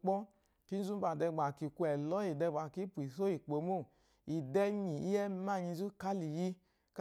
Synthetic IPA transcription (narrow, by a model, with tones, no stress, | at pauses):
k͡pɔ˦ | ki˦zu˦ba˨dɛ˧˨ɡ͡ba˨ki˨ku˧˦ɛ˨lɔ˦i˨dɛ˧ɡ͡ba˨ki˦pu˨i˨so˦i˨k͡po˨mo˦˨ | i˨dɛ˧ɲi˨ḭ˦ɛ˦ma˦˨ɲi˧˦zu˦ka˦li˨ji˧ | k